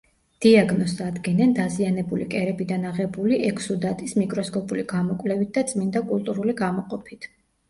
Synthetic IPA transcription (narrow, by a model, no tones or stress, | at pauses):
d̪̥iaɡnɔst̪ad̪ɡɛnɛnd̪azianɛbulikʼɛɾɛbid̪anaʁɛbuliʔɛkʰsud̪at̪ʼismikʼɾɔskʰʼɔpʼuliɡamɔkʼwlɛvit̪̚d̪at̪sʼmind̪akʼulˠt̪ʼuɾuliɡamɔqʼɔpʰit̪ʰ